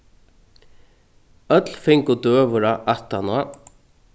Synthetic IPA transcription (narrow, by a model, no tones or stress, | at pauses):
œt̪l̥fɪŋkʊt̪øːʋʊɾaʔaht̪anʊa